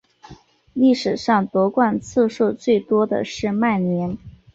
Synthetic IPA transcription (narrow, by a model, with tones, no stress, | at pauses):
li˥˩ʂɻ̩˨˩ʂɑ˥˩ŋt̪wɔ˧˥kwa˥˧nt͡s̩ʰ˥˧ʂo˥˧ʊt͡swe˥˩ɪt̪wɔ˥d̪ə̰˨ʂɻ̩˥˧ma˥˩ɪnjɛ˧˥n